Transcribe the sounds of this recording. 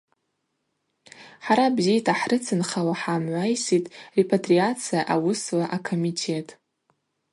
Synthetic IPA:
ħaɾabzitʰaħrɨt͡sʰɨnχawaħamʕʷajsitʼre̞pʰatʰʼriat͡sʰijaʔawʊslaʔakʰomitʰe̞tʼ

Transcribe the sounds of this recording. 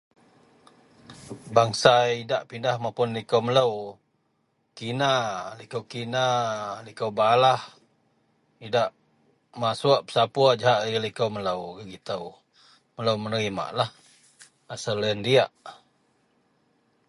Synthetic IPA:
baŋsaidaʔpindahmapʊnlikəwmələw | kinalikəwkinalikəwbalah | idaʔ | masuaʔpə̥sapuad͡ʒaɦaʔəlikəwmələwɡəɡit̪əw | mələwmənəɾima̰ʔlah | asalːəəndiaʔ

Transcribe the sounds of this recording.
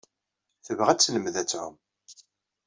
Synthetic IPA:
θəvʁæt͡sːnəmðæt͡sːʕʊ̰m

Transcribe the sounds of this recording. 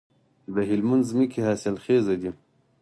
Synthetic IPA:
d̪əɦilmand̪zmikʰihaːsilxeːzɐd̪i

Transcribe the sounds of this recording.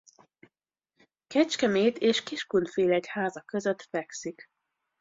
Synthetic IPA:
kɛt͡ʃkɛmeːt̪eːʃkiʃkunfeːlɛchaːzɒkøzøt̪fɛksik

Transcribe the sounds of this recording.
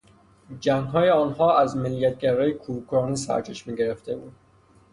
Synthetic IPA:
d͡ʒæŋɡɦɒːjeɒːnhɒːæzmelːijæt̪̚ʰɡæɾɒːjekʰukʰɾɒːniːsæ̰ɾt͡ʃʰeʃmiɟeɾeft̪e̞buːd̪̥

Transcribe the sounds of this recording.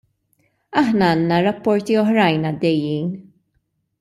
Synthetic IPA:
ɐħnɐɐːnːɐɾɐpːɔɾt̪iɔħɾɐjnɐd̪ːɛjːiːn

